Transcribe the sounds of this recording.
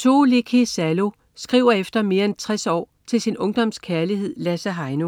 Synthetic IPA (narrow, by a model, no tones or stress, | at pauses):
t͡sʰo̝ːlekʰesælo̝ | sɡ̥ʁiʊ̰ɐefd̥ɐme̝ːɐent͡sʰʁɛsɒ̰ː | t͡sʰe̝lsinɔ̽ŋd̥ɒ̽m̰skʰæɐliɦe̝ð̰ˠlæsæɦɑ̈ɪno̝